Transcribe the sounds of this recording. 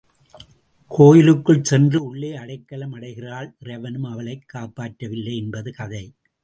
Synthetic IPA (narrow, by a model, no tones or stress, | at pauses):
kʰoːjɪlɯkːɯɭsɛndrɯʊɭːeːɐɽɐɪkːɐlɐmɐɽɐɪɣɪraːlɪrɐɪʋɐnɯmɐʋɐɭɐɪkːaːpːaːʈːɐʋɪlːɐɪɛnbɐðɯkɐðɐɪ